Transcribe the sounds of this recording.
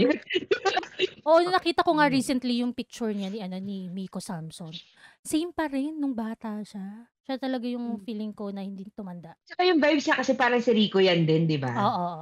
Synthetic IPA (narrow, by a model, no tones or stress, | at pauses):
ʔoʔnnɐkiːt̪ɐko̞ŋaɹiːsɛnt̪lijʊŋpik̚t͡ʃʊɹɲaniʔɐno̞nimikosamson | sejmpɐɾɛnːʊŋbaːt̪ɐʃa | ʃat̪ɐlɐɡajʊŋfiːlɪŋko̞nɐhɪnd̪int̪ʊmɐnd̪aʔt͡ʃɐkajʊŋvajbsakɐsɛpaːɾɐŋsɪɾiːkojand̪ɛnd̪ɪba̰ʔoːʔoʔ